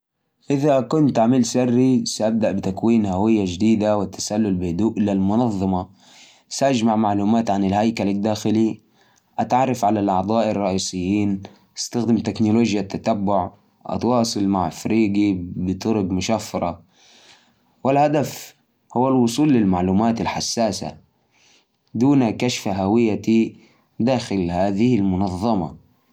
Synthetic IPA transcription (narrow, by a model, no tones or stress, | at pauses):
ʔɪðakʊnt̪ʔaʕmɪlsɪrːisaʔab̚d̪aʔbɪt̪akwiːnhawɪjːad͡ʒd̪iːd̪awɪt̪ːḁsalːʊlbɪhd̪uːʔɪlalmʊnɑðˤːɑmɑ | saʔad͡ʒmaʕmaʕluːmaːt̪ʕanɪlhajkalad̪ːaːxɪli | ʔat̪ʕɑrˤːɑfʕalalʔɑʕd̪ˤɑːʔɑrˤːɑʔiːsɪjːiːn | ʔast̪axd̪ɪmt̪ɪknʊloːd͡ʒjat̪ːat̪abːʊʕ | ʔɑ̰t̪wɑːsˤɨlmaʕfɾiːɡibɪt̪ˤʊɾʊɡmʊʃafːɑɾˤɑ | wɪlhad̪af | huwːalwʊsˤuːlːɪlmaʕluːmaːt̪alħasːaːsa̰ | d̪uːnakaʃfaɦawɪjːat̪i | d̪aːxɪlhaːðɪhɪlmʊnɑðˤːɑmɑ̰